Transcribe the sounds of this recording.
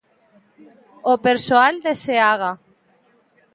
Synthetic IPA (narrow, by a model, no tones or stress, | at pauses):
opeɾsoald̪eseaɣa